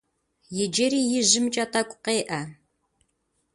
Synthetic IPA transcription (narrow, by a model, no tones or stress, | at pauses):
jɛd͡ʒeɾiːjɪʒɪmt͡ʃʼatʰakʷʼʊqeːʔɐ